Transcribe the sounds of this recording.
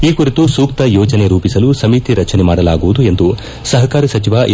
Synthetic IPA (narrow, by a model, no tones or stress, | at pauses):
iːkuɾit̪usuːkt̪ɐjɔːd͡ʒɐne̞ɾuːpisɐlusɐmiːt̪iɾɐt͡ʃɐnemaːɽɐlaːɡuʋud̪ue̞nd̪u | sɐɦɐkaːɾisɐt͡ʃiʋa